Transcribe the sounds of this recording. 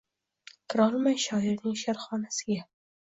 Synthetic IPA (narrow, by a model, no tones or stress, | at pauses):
kʰɪɾɒlmajʃɒɪɾnɪŋʃaɾχɒnasɪɡʲa